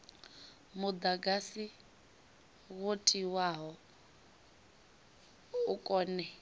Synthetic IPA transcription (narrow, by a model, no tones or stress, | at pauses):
mud̪aɡasi | ɣotʼiwaɦɔ | ukʼɔːnɛ